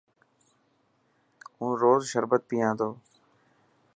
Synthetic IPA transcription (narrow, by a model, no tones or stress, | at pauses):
ũːɾoːzʃəɾbət̪̚piːãːd̪oː